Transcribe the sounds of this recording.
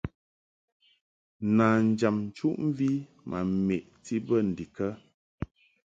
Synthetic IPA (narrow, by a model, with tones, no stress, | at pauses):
naː˨n̩˨d͡ʒa˨mn̩˨t͡ʃu˦ʔm˦vi˦ | mʔa̰˨me˨ʔti˦bə˦˨n̩˨di˨kə˦